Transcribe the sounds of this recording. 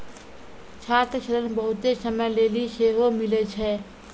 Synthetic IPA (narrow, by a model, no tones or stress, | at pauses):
t͡ʃʰaːt̪ɾəʃəɾənbəɦʊt̪esəməjleːliʃeːɦomɪlet͡ʃʰɛː